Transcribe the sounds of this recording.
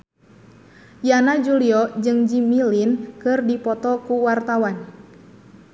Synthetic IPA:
janad͡ʒuliɔd͡ʒɨŋd͡ʒimilinkɨrdipɔt̪ɔkuwart̪awan

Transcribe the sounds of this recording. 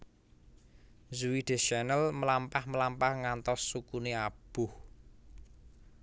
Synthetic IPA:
zuwid̥e̤ʃanəlməlampahməlampahŋant̪ɔsːukuneab̥ʊh

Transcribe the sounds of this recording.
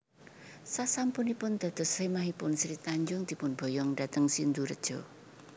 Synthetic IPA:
sasampunipʊnd̪̥ä̤d̪̥ɔ̤semaɦipʊnsɾit̪aɲd͡ʒʊŋd̪̥i̤pʊnb̥o̤jɔŋda̤t̪əŋsind̪uɾə̰d̥ʒ̥ɔ̤

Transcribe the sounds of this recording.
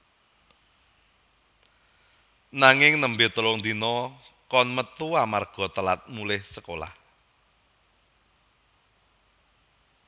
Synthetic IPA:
naŋɪŋnəmbet̪əlɔŋnd̪inɔkɔnmət̪uamarɡ̥ɔ̤t̪əlat̪̚mulɪhsəkola̰h

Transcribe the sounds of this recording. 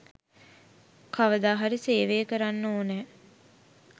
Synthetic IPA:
kaʋəd̪aːɦaɾiseːʋeːkəɾanːoːnɛ

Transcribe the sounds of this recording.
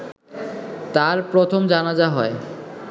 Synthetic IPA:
t̪aɾpɾot̪ʰomd͡ʑanad͡ʑaɦɔe

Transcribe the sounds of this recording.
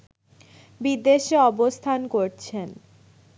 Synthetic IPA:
bid̪eʃeɔbost̪ʰankoɾt͡ɕʰen

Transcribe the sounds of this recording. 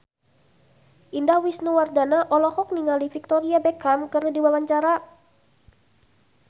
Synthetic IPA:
ʔindahwisnuwardanaʔɔlɔhɔk̚niŋalifik̚t̪ɔɾiabekamkəradiwawaɲt͡ʃaɾa

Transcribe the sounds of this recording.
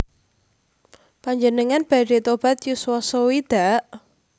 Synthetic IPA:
paɲd͡ʒənəŋanb̥a̤det̪ob̥a̤t̪jusuwasowid̪̥a̤ʔ

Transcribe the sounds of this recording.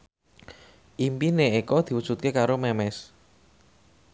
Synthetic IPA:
ʔimpineekɔd̪̥i̤wud̥ʒ̥ut̪̚kekaɾomɛmɛs

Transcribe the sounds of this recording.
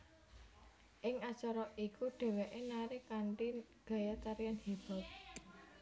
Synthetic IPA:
ʔɪŋḁt͡ʃɔɾɔʔikuɖ̥ɛ̤weʔenaɾɪkaɳʈi | ɡ̥a̤jat͡ʃaɾijanhib̥a̤p̚

